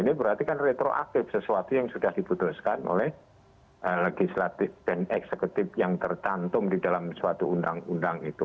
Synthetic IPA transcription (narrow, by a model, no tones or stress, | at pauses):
inibəɾart̪ikanret̪ɾoʔa̰k̚t̪ɪfsəsuat̪ujaŋsudahdiput̪ʊskanʔo̰lɛh | əleɡislat̪ɪfb̥ɛnɛksəkut̪ɪfjaŋt̪ərt͡ʃant̪ʊmdidalamsuat̪uundaŋundaŋit̪u